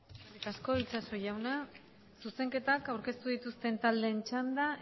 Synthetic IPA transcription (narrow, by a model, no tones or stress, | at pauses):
kasko̞it͡ʃaso̞jawna | suse̞ŋke̞t̪akawɾke̞st̪uðit̪ust̪e̞nt̪ald̪e̞ːnt͡ʃand̪a